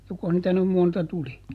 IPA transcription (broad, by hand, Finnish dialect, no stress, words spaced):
jokoh niːtæ nym montɑ tuli